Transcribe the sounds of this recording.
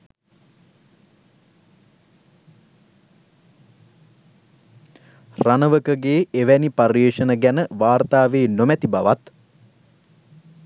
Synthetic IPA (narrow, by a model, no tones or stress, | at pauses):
ranəʋəkəɡeːʔeʋæniparjeːʂənəɡænəʋaːrt̪aːʋeːnomæt̪ibaʋat̪